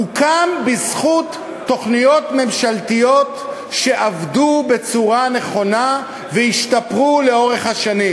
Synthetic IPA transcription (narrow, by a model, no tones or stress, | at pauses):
ukambisχut̪ː | o̞χnijo̞tme̞mʃaltijo̞t | ʃe̞ʔavdube̞t͡suʁane̞χo̞na | veiʃtapʁule̞o̞ʁe̞χhaʃanim